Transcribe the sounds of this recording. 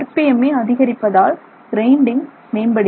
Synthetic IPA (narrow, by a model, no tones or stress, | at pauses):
ɐrpɪjɐmeːɐðɪɣɐɾɪpːɐðaːl | ɡɾɐɪɳɖɪŋ | meːnbɐɽɪ